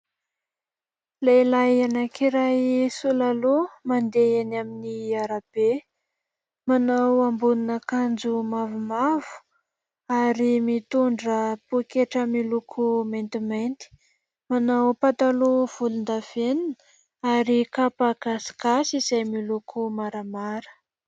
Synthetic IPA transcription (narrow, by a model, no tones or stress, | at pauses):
lejlajanakʰiɾajsulalomand̪eenaminiaɾab̥e | manawambuninəkand͡zumavumavu̥ | aɾimit̪uɳɖ͡ʐəpukeʈ͡ʂəmilukʰumajnt̪imajnt̪i̥ | manawpat̪aluv̥ulund̪av̥enin | aɾikapaɡaskasiz̥ajmilukʰumaɾamaɾə̥